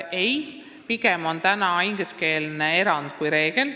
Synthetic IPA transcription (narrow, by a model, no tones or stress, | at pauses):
ej | piɡemo̞nt̪ænɑiŋɡeske̞ːlnee̞ɾɑnd̪̥̚kujɾe̞ːɡ̥e̞l